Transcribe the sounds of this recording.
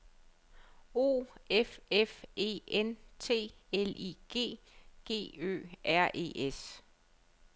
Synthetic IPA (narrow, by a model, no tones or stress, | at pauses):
o̝̰ːefefe̝̰ent͡sʰe̝̰ːeliɡ̥e̝̰ː | ɡ̥e̝̰ːø̰ːʔæɐ̰ʔe̝̰ːʔes